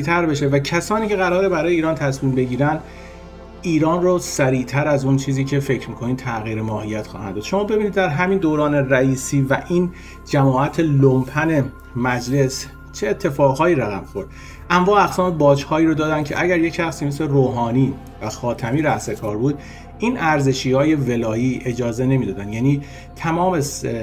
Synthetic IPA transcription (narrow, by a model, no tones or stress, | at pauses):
it̪ʰæɾbe̞ʃe̞væcʰæsɒːniːcʰeɣæɾɒːɾe̞bæɾɒːjeiːɾɒːnt̪ʰæsmiːmbe̞ɟiːɾænd̪̥ | ʔiːɾɒːnrosæɾiːt̪ʰæɾæzunt͡ʃʰiːziːcʰe̞fe̞cʰɾmiːkʰoniːd̪t̪ʰæɣiːɾemɒːhijæt̪xɒ̰ːhæ̰nd̪ɒːd̪ʃo̞mɒːbe̞biːnid̪ːæɾɦæmiːnd̪oːɾɒːneræiːsiːvæʔiːn | d͡ʒæmɒːʔæt̪ʰelompʰæne̞ | mæd͡ʒle̞s | t͡ʃʰeːt̪ʰːe̞fɒːɣɦɒːiːɾæɣæmxo̞ɾd̪̥ | ʔæmvɒːæɣsɒːme̞bɒːd͡ʒhɒːiːɾod̪ɒːd̪ænd̪cʰe̞̰ʔæɟæɾje̞cʰæxsiːmesleroːɦɒːniː | væxɒːt̪ʰæmiːɾæʔse̞kʰɒːɾbuːd̪̚ | ʔiːnʔæɾze̞ʃiːhɒːje̞ve̞lɒːiːʔe̞d͡ʒɒːzene̞miːd̪ɒːd̪ænd̪jæːniː | t̪ʰæmɒːme̞